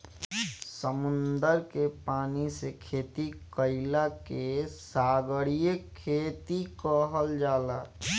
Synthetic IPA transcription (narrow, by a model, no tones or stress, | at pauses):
səmʊnd̪əɾkepaːnisekʰeːt̪ikəɪlakesaːɡəɽijekʰeːt̪ikəɦəld͡ʒaːla